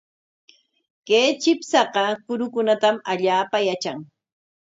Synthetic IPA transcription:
keːt͡ʃɪpsɑqɑkʊɾʊkʊnat̪amaʎaːpajat͡ʃaŋ

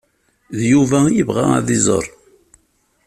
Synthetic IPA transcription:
ðjuvæjəvʁa̰a̰ðizˤə̰ɾˤ

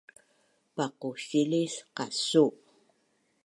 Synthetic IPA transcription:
paquɕilisqasuʔ

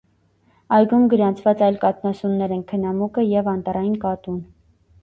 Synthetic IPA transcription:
ɑjɡumɡəɾɑnt͡sʰvɑt͡sɑjlkɑt̪nɑsunːɛɾɛnkʰənɑmukəjɛvɑnt̪ɑɾɑjinkɑt̪un

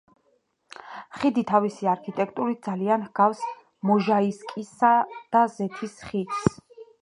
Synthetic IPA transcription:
χid̪it̪ʰavisiaɾkʰit̪ʼɛkʰt̪ʼuɾit̪̚d̪zalianhɡ̥afs | mɔʒaiskʼisad̪̥azɛt̪ʰisχid̪s

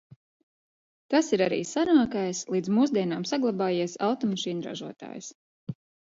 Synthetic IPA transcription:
t̪asiɾaɾḭːsaɾaːkajslˠiːd̪zmuːs̬d̪iɛnaːmsaɡlˠabaːjiɛsawt̪ɔmaʃiːnuɾa̰ʒuɔt̪a̰ːjs

